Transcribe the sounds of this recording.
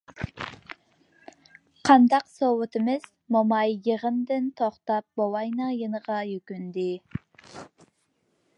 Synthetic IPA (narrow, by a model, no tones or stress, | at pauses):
qʰɑnd̪ɑqsowɨt̪ʰɨmɪz̥ | momɑjːəʁənd̪ɪnt̪ʰoχt̪ɑp̚bowɑjnəjənəʁɑjøkʲynd̪ɪ